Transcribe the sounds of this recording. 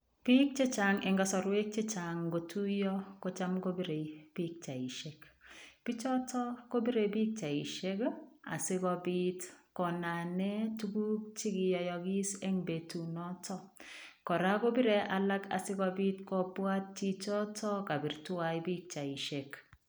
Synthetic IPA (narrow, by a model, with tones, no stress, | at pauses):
pi˦k̚t͡ʃe˦t͡ʃa˨ŋɛ˨ŋɡa˨sɔ˨ɾwe˦k̚t͡ʃe˦t͡ʃa˨ŋɡo˨tu˦jɔ˦ko˦t͡ʃa˦mɡo˦bi˦ɾe˨b̥i˦k̚t͡ʃa˨i˨ʃe˨kpi˦t͡ʃɔ˦tʰɔ˦ko˦bi˦ɾe˨bi˦k̚t͡ʃa˨i˨ʃe˦ka̰˨sɪ˦kɔ˦bi˦tkɔ˨na˨nɛ˦tu˦ɡu˦k̚t͡ʃi˦ɡɪ˨jɔ˨jɔ˨ɡi˦se˦ŋbe˨tu˨nɔ˦tʰɔ˦kɔ˨ɾa˦ko˦bi˦ɾe˨ʔa˨la˦ka̰˨sɪ˦kɔ˦˧bi˦tkɔ˦pwa˦t̚t͡ʃi˦t͡ʃɔ˦tʰɔ˦ka˨bi˨ɾtʊ˦a˨jbi˦k̚t͡ʃa˨i˨ʃe˨k